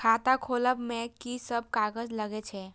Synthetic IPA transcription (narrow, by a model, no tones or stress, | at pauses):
kʰat̪akʰoləbmekisəb̚kaɡəd͡ʒləɡɛt͡ʃʰɛ